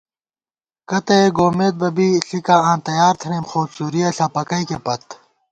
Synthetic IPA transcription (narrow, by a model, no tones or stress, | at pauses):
kɐt̪ɐeɡoːmeːt̪̚bɐbiːɬikaːãːnt̪ɐjaːɾt̪ʰɐneːmxoːb̪suːɾijɐɬaːpɐkɐikepɐt̪